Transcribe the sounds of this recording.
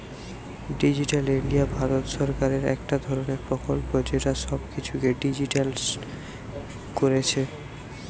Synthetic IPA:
ɖid͡ʑiʈaliɳɖiabʱaɾot̪ʃɔɾkaɾeɾɛ̰kʈad̪ʱɔɾoneɾpɾokolpod͡ʑeʈaʃɔbkit͡ɕʰukeɖid͡ʑiʈals | koɾet͡ɕʰe

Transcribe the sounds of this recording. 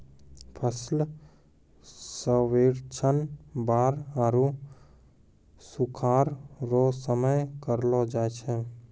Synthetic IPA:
pʰəsl | səweɾt͡ʃʰənbaːɾaɾu | sukʰaːɾɾosəməjkəɾlɔd͡ʒaːt͡ʃʰɛ

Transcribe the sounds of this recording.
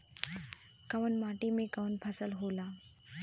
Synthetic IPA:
kɐʋənmaːʈimẽkɐʋənpʰɐsəlɦoːlaː

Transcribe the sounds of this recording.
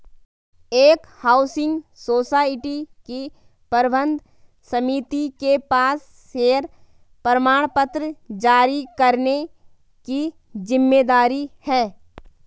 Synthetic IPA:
eːkhaːʊsɪ̃ŋɡsoːsaːɪʈiki | pəɾbə̃nd̪ʱ | səmit̪ikepaːsːeːɾ | pəɾəmaːɽ̃pət̪ɾəd͡ʒaːɾikəɾne | ki | d͡ʒɪmːeːd̪aːɾihɛː

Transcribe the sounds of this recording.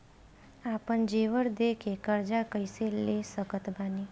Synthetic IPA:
apəɳd͡ʒeʋəɽd̪ekʰekəɾd͡ʒakəjselːesəkət̪bani

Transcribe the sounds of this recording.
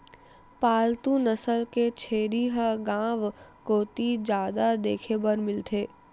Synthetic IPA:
paːlt̪ũnəsəlket͡ʃʰeːɾiɦəɡãːʋkoːt̪id͡ʒaːd̪ad̪eːkʰebəɾmɪlt̪ʰeː

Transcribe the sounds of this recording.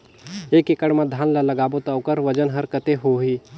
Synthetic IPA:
eːkekəɽmãd̪ʱaːnlalɐɡaːbot̪aʊkəɾʋɐd͡ʒənɦəɾkət̪eɦoɦiː

